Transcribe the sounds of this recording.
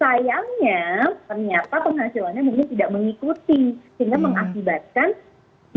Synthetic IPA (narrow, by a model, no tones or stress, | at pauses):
sajaŋɲat̪ərɲat̪apəŋɦasilanɲamuŋkɪnt̪idaʔ̚məŋikut̪isəŋɡaməŋakibat̪̚kan